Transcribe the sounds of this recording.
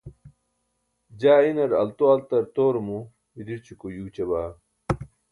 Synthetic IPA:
d͡ʑaːinɐɾɐ̰lt̪oɐlt̪ɐɾt̪oːɾmu | id̪iɾt͡ɕikojuːt͡ɕɐbaː

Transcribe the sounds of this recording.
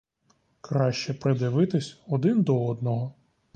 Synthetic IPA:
kɾɑʃt͡ʃɛpɾed̪ɪʋɪt̪ɪsʲɔd̪ɪnd̪ɔɔd̪nɔɦɔ

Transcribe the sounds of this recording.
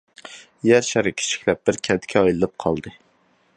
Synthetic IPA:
jæɾʃæɾɪkʲʰɪ̥t͡ʃʰi̥kʲlɛp̚bɪɾkʲʰɛnt̪ʰɪ̥kʲʰɛɑjlˠɨlɨp̚qʰɑlˠd̪ɨ

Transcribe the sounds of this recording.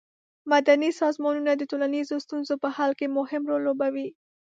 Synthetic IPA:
mad̪anisɑzmɑnunad̪ətolanizost̪unzopəhalkemʊhɪmɾolːobawi

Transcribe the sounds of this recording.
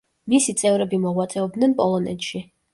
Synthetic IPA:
misit̪sʼɛvɾɛbimɔʁwat̪sʼɛɔb̚d̪nɛnpʼɔlˠɔnɛ̰t̪ʃi

